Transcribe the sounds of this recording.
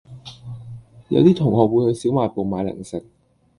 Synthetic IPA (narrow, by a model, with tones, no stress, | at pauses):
jɐ̰˨˧wt̪iː˥t̪ʰʊ˨˩ŋhɔː˨k̚wuː˨˧jhɵ˧ɥsiː˨˥wmaː˨˩jpo˨wmaː˨˧jlɪ̰˨˩ŋsɪ˨k̚